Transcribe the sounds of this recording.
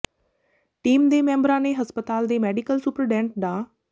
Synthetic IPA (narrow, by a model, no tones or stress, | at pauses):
ʈiːmd̪eːmẽːmbəɾãːnẽɦɐspət̪aːld̪eːmeːɖikəlsupɾɖɛ̃ːɳʈ̚ɖaː